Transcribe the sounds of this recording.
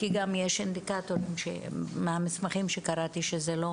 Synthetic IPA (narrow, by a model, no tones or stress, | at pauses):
kiɡamjeʃand̪ikat̪oɾimʃḛmeamismaχimʃekaɾat̪iʃezelo̞